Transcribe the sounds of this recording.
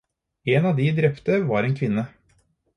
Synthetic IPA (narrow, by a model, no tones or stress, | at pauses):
eːnɑːʋd̪ɪd̪ɾɛpt̪əʋɑːɾeːnkʰʋɪnːə